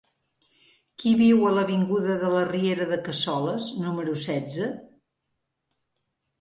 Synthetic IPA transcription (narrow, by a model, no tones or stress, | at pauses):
kiβiwələβiŋɡuðəðələrieɾəðəkəsɔləznuməɾusɛd͡zə